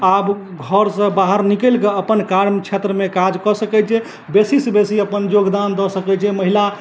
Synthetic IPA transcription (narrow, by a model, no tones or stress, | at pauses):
ab | ɡʱəɾsə̃baɦəɾnikəlkeəpənkaɾmt͡ʃʰet̪ɾəmekad͡ʒkɔsəkɛt͡ʃʰɛ | besisəbesiəpənjoɡd̪and̪ɔsəkɛt͡ʃʰɛməɦila